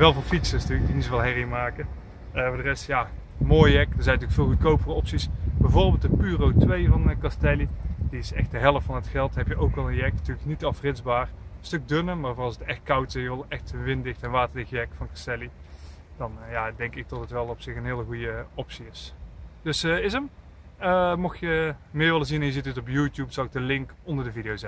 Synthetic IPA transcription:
ʋɛlˠvoːlfitsəstyːlək̚dinisovɑlˠɦɛrimaːkə | əvʊːdərɛstja | moːjɛkdəɹzɛjntyːlkfɪːlˠɣukowpərəɔpsisbɛjvoːrbɪːlˠtdəpyːrowtʋejvɑnkɑstɛlidiɪsɛxt̚dəɦɛlˠəftfɑnətxɛlˠtɦɛpjəʔowkʋɑlˠənjɛknətyːləknitɑfrɪdzbaːrstɵk̚dønəmaːɹvʊrɑlˠsətɛxt̚kʌwtɪsjəʋɪlˠɛxtəʋɪntdɪxtɛnʋaːtəɹdɪxjɛkfɑnkɑ̥stɛli | d̥ɑnjaːdɛŋkɪk̚dɔtətʋɛlˠɔpsɪxənɦɪːlˠəɣujəɔpsiɪsd̥ɵsəɪzəm | əmɑxjəmɪːɹʋɪləzinɛnjəzitətɔpjuːtjupsɑlˠɪk̚dəlɪŋkɔndəɹdəvidijowzɛ

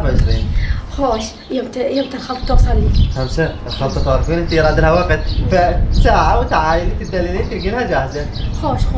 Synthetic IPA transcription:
ʕeʃɾiːnxoːʃ | jemt̪jemt̪alxɑlt̪̚ˤt̪osˤɑlːixæmsaʔt̪xɑt̪ˤːɑt̪ɑːɾˤfiːnʔɪnt̪ijɾˤɑːd̪ɪlhæwæqɪt̪fæsaːʕawɪt̪ʕaːjɪlit̪ɪd̪ːælːiliːnfilɡilhæd͡ʒahzæxoːʃ

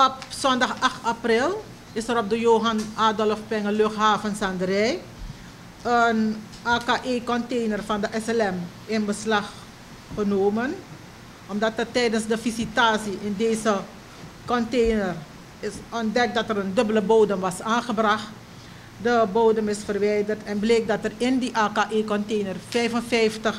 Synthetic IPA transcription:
ɔpsɔndɑχɑxtaprɪlˠ | ɪsəɾɔp̚dəjoːɦɑnaːdɔlfpɛŋəløxɦaːvənsɑndəɾɛj | ən | ʔaːkaːʔeːkɔntejnərvɑndəʔɛsɛlɛm | ɪnbəslɑx | χənoːmən | ʔɔmdɑtətːɛjdənsdəvisitaːsiʔɪndeːzə | kɔntejnər | ɪsɔndɛk̚dɑtɛrəndɵbələbowdəmʋɑsaːnχəbrɑxt | dəboːdəmɪsfərʋɛjdərtɛnbleːk̚dɑtərɪndiʔaːkaːʔeːkɔntejnərfɛjvənvɛjftəχ

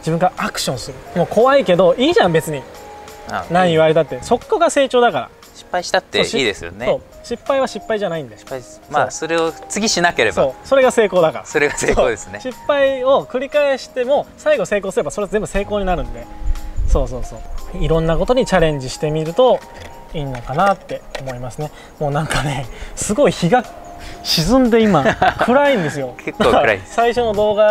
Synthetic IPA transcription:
d͡ʑibɯ̟̃ŋɡaakɯ̟̥ɕõ̞ɰ̃sɨɾɯ̟mo̞ːko̞βaike̞d̪o̞iːʑãmbe̞t͡sɨɲ̟i | nãɲ̃iβ̞aɾe̞t̪at̪ːeso̞kːoɡase̞ːt͡ɕo̞ːd̪akaɾa̰ | ɕi̥pːaiɕi̥t̪at̪ːeoɕiːd̪esɨjo̰neso̞ː | ɕipːaiβ̞aɕipːaiʑanaĩnd̪e | maso̞ɾe̞ot͡sɨɡʲiɕinakeɾe̞sboːso̞ɾe̞ɡase̞ːko̞ːd̪akaɾasoɾeɡaseːooːd̪esɨnɕipːaio̞kɯ̟ɾʲikaeɕi̥t̪e̞mo̞saiɡo̞se̞ːk̬o̞ːsɨɾe̞baso̞ɾeazẽ̞mbɯ̟se̞ːko̞ːɲ̟inaɾɯ̟̃nd̪e̞so̞ːso̞ːso̞̰ːiɾõ̞nːako̞t̪o̞ɲ̟it͡ɕaɾẽ̞ɲ̟d͡ʑiɕi̥t̪e̞mʲiɾɯ̟t̪o̞ | iːnːo̞kanat̪ːe̞o̞mo̞imasɨne̞ | mo̞ːnãŋkane̞sɨɡo̞içiɡa | ɕizɨ̃nd̪e̞imakʰɯ̟ɾaĩnd̪e̞sɨjo̞eknaɾasaiɕo̞no̞d̪o̞ːɡa

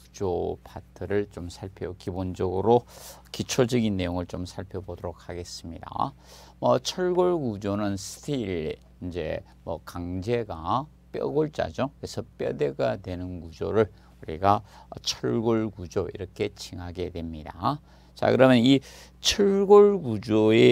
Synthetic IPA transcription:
kud͡ʑopʰatʰɯɾɯɭt͡ɕomsʰaɭpʰjʌkibond͡ʑʌɡɯɾo | kit͡ɕʰod͡ʑʌɡinːe̞joŋɯɭt͡ɕomsʰaɭpʰjʌbodoɾok̚haɡe̞s͈ɯmɲida̰ | mʌt͡ɕʰʌɭɡoɭɡud͡ʑonɯnsʰɯ̥tʰiiɾ | ind͡ʑe̞̰ | mʌ̰kaŋd͡ʑe̞ɡa | p͈jʌ̰ɡoɭt͡ɕ͈a̰d͡ʑʌkesʰʌp͈jʌde̞ɡadwe̞nɯnkud͡ʑoɾɯɭ | uɾiɡat͡ɕʰʌɭɡoɭɡud͡ʑoḭɾʌkʰe̞t͡ɕʰiŋɦaɡe̞dwe̞mɲida | t͡ɕa̰kɯɾʌmjʌni | t͡ɕʰʌɭɡoɭɡud͡ʑoe̞

